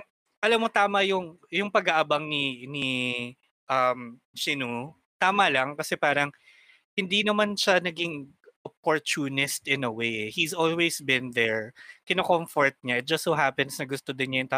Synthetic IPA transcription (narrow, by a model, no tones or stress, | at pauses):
ʔɐlɐmːot̪aːmɐjʊŋjʊŋpɐɡaʔabɐŋnini | ʔɐm | sɪnu | t̪aːmɐlɐŋkɐsɛpaːɾɐŋ | hɪnd̪inɐmanʃanɐɡɪŋ | ʔɐpoɹt͡ʃunɪst̪ɪ̃nɐwejɛhizolwejsbɪ̃nðɛɹkɪnokomfoɹt̪̚ɲaɪt̪̚d͡ʒɐst̪soɦapɛnsnɐɡʊst̪od̪ɪnɲɐjʊŋt̪a